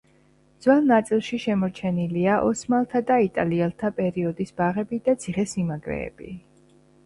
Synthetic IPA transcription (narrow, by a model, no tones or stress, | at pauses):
d̪z̥wɛlˠnat̪sʼilˠʃiʃɛmɔɾt͡ʃʰɛniliaʔɔsmalˠt̪ʰad̪ait̪ʼaliɛlˠt̪ʰapʼɛɾiɔd̪isbaʁɛbid̪at̪sʰiχɛsimaɡɾɛ̰ːb̥ḭ